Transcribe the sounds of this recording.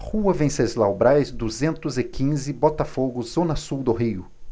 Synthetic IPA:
huɐvẽsezlawbɾajzd̪uzẽnt̪ʊzɪkʰĩzɪbɔt̪ɐfoɡʊzõnɐsuwd̪ʊɦiʊ

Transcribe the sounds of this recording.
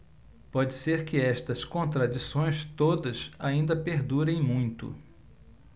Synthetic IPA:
pɔd͡ʒɪseɾkɪɛʃt̪ɐskõnt̪ɾad͡ʒisõj̃st̪od̪ɐsaĩnd̪ɐpeɾd̪uɾẽj̃mũj̃t̪ʊ̰

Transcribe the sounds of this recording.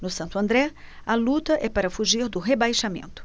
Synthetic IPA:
nʊsɐ̃nt̪ʊɐ̃nd̪ɾɛ | ɐlut̪ɐʔɛpaɾɐfuʒiɾd̪ʊɦebajʃamḛ̃nt̪ʊ̥

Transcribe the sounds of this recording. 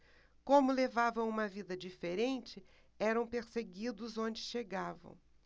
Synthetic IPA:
kõmʊlevavɐ̃w̃ũmɐvid̪ɐd͡ʒifeɾẽnt͡ʃɪ | ɛɾɐ̃w̃peɾseɡid̪ʊzõnd͡ʒɪʃeɡavɐ̰̃w̃

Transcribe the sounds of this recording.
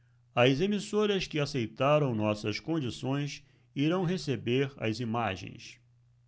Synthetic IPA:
ɐzemisoɾɐskɪasejt̪aɾɐ̃w̃nɔsɐskõnd͡ʒisõj̃s | iɾɐ̃w̃ɦesebeɾɐ̰zimaʒḛ̃j̃s

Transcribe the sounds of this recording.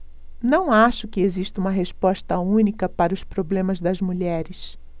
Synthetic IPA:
nɐ̃w̃aʃʊkɪeziʃt̪ũmɐɦespɔʃt̪ɐũnikɐpaɾɐʊspɾoblẽmɐzd̪ɐzmuʎɛɾɪs

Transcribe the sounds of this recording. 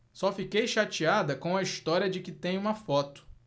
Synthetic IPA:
sɔfikejʃat͡ʃiad̪ɐkõw̃ɐiʃt̪ɔɾiɐd͡ʒɪkɪt̪ẽj̃ũmɐfɔt̪ʊ̥

